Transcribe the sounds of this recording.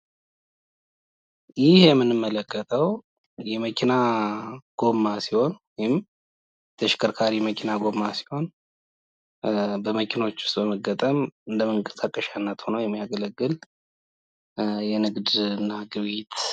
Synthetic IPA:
jɪhjɛmːɨnɨmːələkʰːət̪ʰʼəw | jɛməkʰina | ɡ̥o̞mːasiho̞n | jɪm | t̪ʰəʃɪ̥kʰɨɾkʰaɾijɛməkʰinaɡo̞mːasi̥ho̞n | bəməkʰino̞t͡ʃːʊ̥st̪bəməɡːət̪ʼəmɨnd̪əməŋkʼə̥sakʼəʃanːət̪ho̞nəwjɛmːijaɡələɡːɨl | jɛnɨɡd̪ɨnːaɡɨβit̪

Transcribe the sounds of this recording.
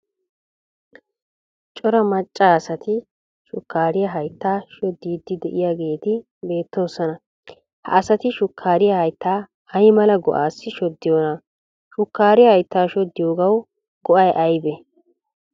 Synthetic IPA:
t͡ʃʼɔɾɐmɐt͡ʃʼːaːɐsɐt̪ɪ | ʃʊkːaːɾɪjɐɦɐjt̪ːaːʃɔd̪ːiːd̪ːɪd̪ɛʔɪjaːɡe̞ːt̪ɪ | be̞ːt̪ːo̞ːsɔnɐ | hɐ̰ːsɐt̪ɪʃʊkʰːaːɾɪjɐhɐjt̪ːaː | ɐjmɐlɐɡɔ̰ʔaːsːɪʃɔd̪ːɪjoːnɐ | ʃʊkːaːɾɪjɐhɐjt̪ːaːʃɔd̪ːɪjoːɡɐw | ɡ̥ɔʔɐjʔɐjbɛ

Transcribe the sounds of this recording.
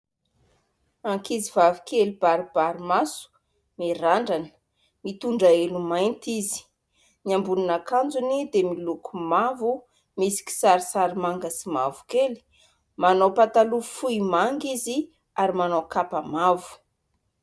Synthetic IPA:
aŋkizivavu̥kʰelibaɾib̥aɾimasu̥ | miɾaɳɖ͡ʐanə̥ | mit̪uɳɖ͡ʐaelumajnt̪izi̥ | niambuninakand͡zunid̪emilukumavu | misi̥ki̥saɾisaɾimaŋɡəsima̰vu̥keli̥ | manowpat̪alufuimaŋɡizi | aɾimanowkapamavu̥

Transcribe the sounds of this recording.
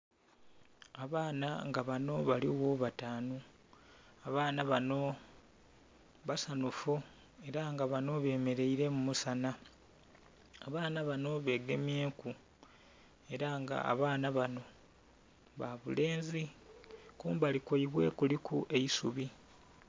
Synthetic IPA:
aβaːna̰ŋɡaβano̞βaliwoβataːnu | aβaːnaβano̞ | βasanufu | e̞ɾaŋɡaβano̞βe̞ːme̞ɾe̞iɾe̞mumusana | a̰βaːnaβano̞βe̞ːɡe̞mje̞ːku | e̞ɾaŋɡa̰a̰βaːnaβano̞ | βaβṵle̞ːnzi | kuːmbalikoiβwe̞̰kulikuʔe̞isuβi

